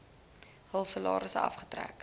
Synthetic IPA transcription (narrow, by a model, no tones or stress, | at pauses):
həlˠsəlɑ̰ːɾəsɐ̰fχə̥træ̰k